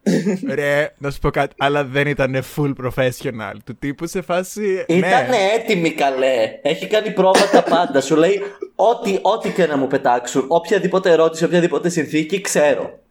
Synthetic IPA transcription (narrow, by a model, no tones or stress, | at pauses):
ɾenɐsu̥po̞kɐt̪i̥ɐlɐðenit̪ɐnefulpɾofesonɐ̰lt̪ut̪ipusefɐsiineɐneet̪imikɐle̞eçikɐnipɾo̞fɐt̪ɐpɐnd̪ɐsule̞io̞t̪iʔo̞t̪icenɐmupe̞t̪ɐksuno̞pçɐðipo̞t̪eːɾo̞t̪isio̞pçɐðipo̞t̪e̞sinθicikse̞ɾo̞̰